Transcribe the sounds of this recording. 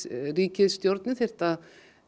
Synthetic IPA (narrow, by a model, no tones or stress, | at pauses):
riːcɪðst̪jowɾt̪nɪθejr̥t̪að